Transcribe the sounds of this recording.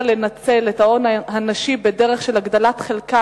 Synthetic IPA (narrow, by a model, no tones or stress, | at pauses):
lenat͡se̞letao̞nahanaʃibedeʁeχʃe̞laɡdalatχelka